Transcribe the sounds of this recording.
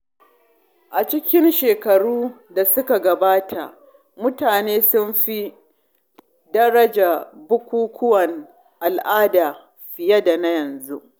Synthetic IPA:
ʔa˨t͡ʃɪ˦kʲɪ˦nʃeː˨kɐ˨ɽuː˦da˨sʊ˦ka˨ɡɐ˨baː˦tʰa˨ʔ | mʊ˦taː˨neː˦sʊ˦nɸi˦ | dɐ˦ɽɐ˦d͡ʒa˨bʊ˦kʷuː˦kʷʊ˦wɐ˨n | ʔa˨lʔaː˦daː˨ | ɸɪ˨jɐ˦da˨na˦jɐ˨nzu˦ʔ

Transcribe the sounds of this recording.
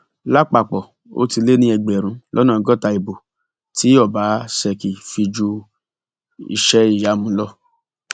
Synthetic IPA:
la˦k͡pa˧˨k͡pɔ˨ | o̰˦ti˧le˦nĩ˦ɛ˧ɡ͡bɛ˨ɾ̃ũ˨˦lʔɔ̰˦nãː˨˧˦ɡɔ˦˨ta˧i˨bo˨ | ti˨˦ɔ˦˨ba˨˦sɛ˧ki˨fi˧d͡ʒu˧ | ḭ˧˨ʃɛ˦i˦˨ja˨˦mũ˧˦lɔ˦˨

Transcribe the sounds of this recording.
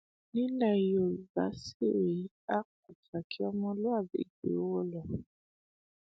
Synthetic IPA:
nĩ˦la˨jo˨va̰˨˦si˦˨ɾe˨˦ | a˦k̚u˨ta˨kʰi˦ɔ˦mɔ̃˧lo˦a˦˨bḛ˨ɡḛ˨˦wɔ˦lɔ˨

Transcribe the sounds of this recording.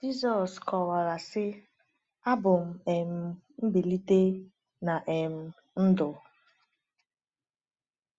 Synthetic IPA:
d͡ʒi˦zɔ˨skɔ˨wa˨ɾa˨sɪ˦ | a˦bʊ˨m̩˨e˨m̩˨ | m̩˦bi˨li˦te˦ | na˨ʔe˨m̩˨ | n̩˦dʊ˨

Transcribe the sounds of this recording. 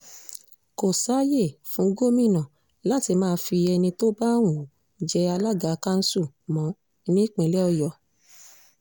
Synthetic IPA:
ko˨sa˨˦je˦˨fũ˨˦ɡo˦mĩ˦˨nã˨ | la˦ti˧mãː˦˧˦fi˧ɛ˧nĩ˧to˦ba˦˨wũ˨˦ | d͡ʒɛ˧a˧la˦ɡa˨˧ka˦n̩˦su˦˨ | mɔ̃˨˦ | nĩ˦k͡pẽ˨˧lɛ˦ɔ˧jɔ˨

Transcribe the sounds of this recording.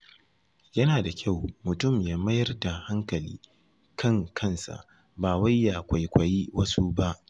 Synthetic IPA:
jɐ˦naː˨da˨kʲa˦˨wmʊ˨tʊ˦˨mjaː˦mɐ˦jɐ˦rda˨ha˦ŋkɐ˨lḭː˦ | kʰɐ˦˨ŋkʰɐ˦nsa̰˨ʔ | baː˨wa˦jːa˨kʷa˨jkʷɐ˨ji˦wɐ˦su˦ba˦ʔ

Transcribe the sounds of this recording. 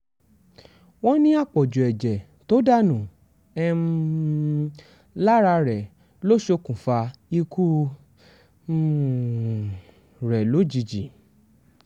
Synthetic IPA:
w̃ɔ̃˦nĩ˦a˦˨k͡pɔ˨d͡ʒu˨ɛ˨d͡ʒɛ˨ | to˦da˦˨nũ˨ | ɛ˧ | la˦ɾa˧ɾɛ˨ | lo˦ʃo˧kũ˨fa˧i˧kʰu˦˨ | ɾɛ˨lo˨˦d͡ʒi˧d͡ʒi˨

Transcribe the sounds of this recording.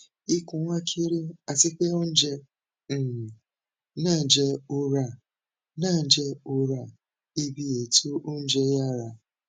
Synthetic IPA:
i˦kʊ˨ŋʷa˦kʰi˦ɾi˦a˨sɪ˦ke˦o˦n̩˦d͡ʒe˦˨ | na˦˨n̩˨d͡ʒe˦ʊ˦ɾa˨ | na˦˨d͡ʒe˦ʊ˦ɾa˨ | i˦bi˦je˨tu˦ʔo˦n̩˦d͡ʒe˦ja˦˨ɾa˨

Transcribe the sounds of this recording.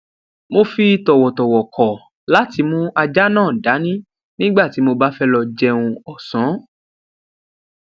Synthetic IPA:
mo˧fi˧tɔ˨wɔ˨tɔ˨wɔ˨kʰɔ˨ | la˨˦ti˧mũ˦a˧d͡ʒa˦nãː˦˨da˨˦nĩ˦ | nĩ˦ɡ͡ba˦˨ti˨˦mo˧ba˦fɛ˦lɔ˧d͡ʒɛ˧˦ũ˧ɔ˨sɔ̃˨˦

